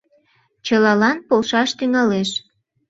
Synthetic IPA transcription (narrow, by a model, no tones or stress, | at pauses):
t͡ɕəlɑlɑnpolʃɑʃt̪yŋɑleʃ